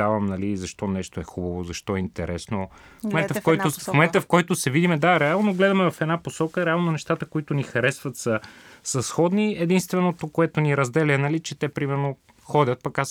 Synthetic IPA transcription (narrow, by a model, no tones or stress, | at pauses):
avɐmnɐlizɐʃt̪ɔnɛʃt̪oɛxubɐvozɐʃt̪ɔɛint̪ɛɾɛsno | momɛnt̪əfkɔjt̪omomɛnt̪əfkɔjt̪osɛvid̪imɛd̪aɾɛalˠnoɡlɛd̪ɐmɛvɐfɛd̪naposɔkəɾɛalˠnonɛʃt̪at̪əkoit̪ʊnixɐɾɛsvət̪səsɐsxɔd̪niɛd̪inst̪vɛnot̪okoɛt̪oniɾɐzd̪ɛlʲənɐlit͡ʃɛt̪ɛpɾimɛɾno | xɔd̪ʲət̪̚pɐkas